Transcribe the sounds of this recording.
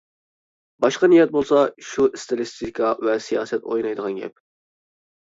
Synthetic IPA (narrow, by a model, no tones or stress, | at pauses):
bɑʃqɑnijɛt̪̚bolˠsɑʃust̪elɨst̪ʰikʰɑvɛsijɑ̰ːsɛt̪o̰jnɑjd̪əʁɑnɡʲɛ̰p̚